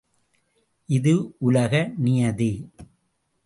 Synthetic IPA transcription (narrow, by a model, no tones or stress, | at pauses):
ʔɪðɯʔʊlɐɣɐnɪjɐði